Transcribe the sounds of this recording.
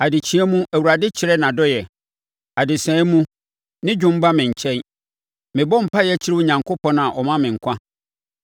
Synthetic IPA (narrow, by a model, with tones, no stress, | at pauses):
a˨dɪ˨t͡ɕʰĩ˨˦ɛ˦mũ˦ʔæ˨wu˨ɾa˨dɪ˦t͡ɕʰɪ˨ɾɛ˦nã˨dɔ˦jɛ˨ | a˨dɪ˨sɛ̃ː˨˦mũ˦ | nɪ̃˦d͡ʑᶣʊ̃˦m̩˦ba˦mɪ̃˨ɲ̩˨t͡ɕʰɛ̃˦n | mɪ̃˨bɔ˦m̩˨pʰa˦jɛ˦t͡ɕʰɪ˦ɾɪ˦ʊ˦ɲã˨ŋkʰo˦pʰɔ̃˦nã˨ʔɔ˨mã˦mɪ̃˨ŋ̩˨kʷʰã˦